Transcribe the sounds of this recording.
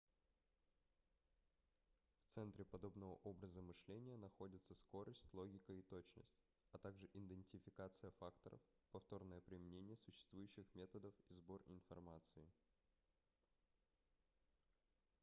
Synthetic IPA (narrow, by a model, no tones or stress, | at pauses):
ft̪sɛnt̪ɾʲɪpɐd̪o̞bnəvə̰ʔo̞bɾəzəmɨʂlʲenʲɪjənɐxo̞dʲɪt̪səsko̞ɾəsʲtʲlˠo̞ɡʲɪkəit̪o̞t͡ɕnə̰sʲtʲ | ɐt̪aɡʐɨʔɪnd̪ɪnʲtʲɪfʲɪkat̪sɨjəfakt̪əɾə̰fpɐft̪o̞rnəjəpɾʲɪmʲɪnʲenʲɪjəsʊɕːɪ̥st̪vujʉɕːɪxmʲe̞t̪əd̪əfizbo̞rɪ̰nfɐ̰rmat̪sɨɪ